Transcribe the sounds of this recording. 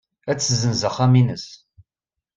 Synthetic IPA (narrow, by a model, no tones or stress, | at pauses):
æt͡sːzənzəχæminəs